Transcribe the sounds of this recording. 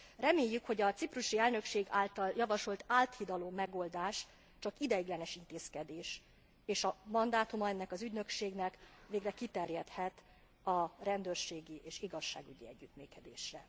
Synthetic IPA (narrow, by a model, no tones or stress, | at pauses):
rɛmeːjːykho̞ɟɒt̪sipruʃiɛlnø̞kʃeːɡaːlt̪ɒljɒvɒʃo̞lt̪aːlt̪hid̪ɒloːmɛɡo̞ld̪aːʃ | t͡ʃɒkid̪ɛjiɡlɛnɛʃint̪eːskɛd̪eːʃ | eːʃɒmɒnd̪aːt̪umɒɛnːɛkɒzyɟnø̞kʃeːɡnɛkveːɡrɛkit̪ɛrjɛt̪hɛt̪ | ɒrɛnd̪øːrʃeːɡiʔeːʃiɡɒʃːa̰ːɡyɟiɛɟːyt̪myːkɛd̪ḛːʃrɛ